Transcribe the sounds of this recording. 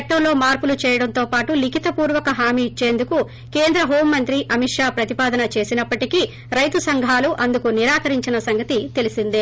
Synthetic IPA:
ʈːɐmlo̞ːmaːɾpulut͡ʃɛːjɐɽɐnt̪o̞ːpaːʈulikit̪ɐpuːɾʋɐkɐɦaːmiːt͡ʃːe̞ːnd̪uku | ke̞ːnd̪ɾɐɦo̞ːmːɐnt̪ɾiʔɐmiʈʂaːpɾɐt̪ipaːd̪ɐnɐt͡ʃe̞ːsinɐpːɐʈiki | ɾɐjt̪usɐŋɡʱaːluʔɐnd̪ukuniɾaːkɐɾiɲt͡ʃinɐsɐŋɡɐt̪it̪e̞lisind̪i

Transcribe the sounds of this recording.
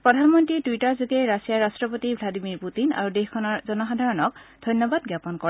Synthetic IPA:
pɹɔdʱanmɔntɹituijtaɹzuɡɛɹasijaɹastɹɔpotibʱladimiɹputina̰ɹudexkʰɔnɔzɔnɔxadʱaɹɔnɔk̚d̥ʱɔjnjɔbadɡjapɔnkɔ

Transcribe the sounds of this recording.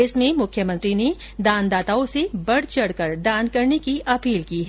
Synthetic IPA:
ɪsmẽmʊkʰjəmɐ̃nt̪ɾine | d̪aːnd̪aːt̪aːõsebɐɽ̤t͡ʃɐɽkɐɾd̪aːnkɐɾnekiʔɐpiːlkiːɦɛ

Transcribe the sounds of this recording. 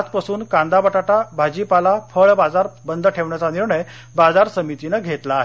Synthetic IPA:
t͡spasuːnkãnd̪abaʈaʈabʱad͡ʑipalafəɭbad͡zaɾbənd̪ʱəʈʰeʋɳjat͡saniɾɳəj | bad͡zaɾsəmit̪inəɡʱet̪laːɦe

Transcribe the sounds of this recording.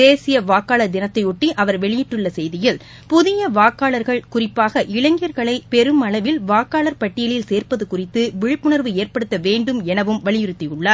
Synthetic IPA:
eːsɪjɐʋaːkːaːɭɐd̪ɪnɐt̪ːɐɪʊʈːiʔɐʋɐɾʋɛɭɪjɪʈːɯɭːɐsɛjðɪjɪl | pʊðɪjɐʋaːkːaːɭɐɾɣɐɭkʊrɪpːaːɣɐʔɪɭɐŋɡɪjɐɾɣɐɭɐɪpɛɾɯmɐɭɐʋɪlʋaːkːaːɭɐɾpɐʈːɪjɐɭɪlseːɾpɐðɯkʊrɪt̪ːɯʋɪɻɯpːʊɳɐɾʋɯeːrpɐɽɯt̪ːɐʋeːɳɖɯmɛnɐʋɯmʋɐɭɪjɪɾɯt̪ːɪɯɭːaː

